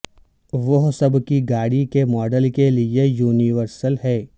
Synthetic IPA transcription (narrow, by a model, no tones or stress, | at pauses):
ʋɐɦsɐbkiɡaːɽikemɔːɖəlkeliejuːniʋəɾsəlɦɛː